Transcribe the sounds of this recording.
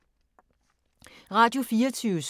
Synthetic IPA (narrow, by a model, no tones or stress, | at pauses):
ʁɑ̈ːd̥jo̝fiːɐt͡sʰyːʊəs